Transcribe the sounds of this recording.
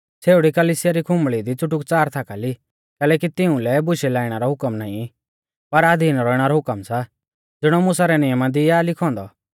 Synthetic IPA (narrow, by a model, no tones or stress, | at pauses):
t͡sʰeːʊɽikɐliːsɪjaɾikʰʊ̃mɭid̪it͡sʊʈʊkt͡saːɾt̪ʰakali | kɛːlɛːkit̪ɪũlɛbʊʃɛlaːiɽ̃aɾɔɦʊkəmnaːĩ | pɐɾaːd̪ʱiːnɾɔːɪɽ̃aɾɔɦʊkəmsa | d͡zɪɽ̃ɔmʊsaɾɛnɪjəmad̪ialɪkʰɔ̃ːnd̪ɔ